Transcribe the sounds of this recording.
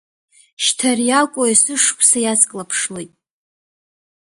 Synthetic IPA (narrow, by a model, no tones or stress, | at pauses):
ʃtʰarjalkʷʼoasɨʂkʷʰʼsajazkʼlapʰʂlojtʼ